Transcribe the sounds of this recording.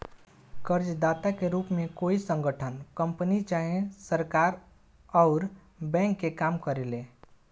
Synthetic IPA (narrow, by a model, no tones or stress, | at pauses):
kəɾd͡ʒd̪aːt̪akeɾuːpmẽkoːisə̃ŋɡəʈʰənkə̃mpənit͡ʃaːɦẽsəɾkaːɾ | ɔʊɾ | bɛ̃ːŋkːekaːmkəɾeleː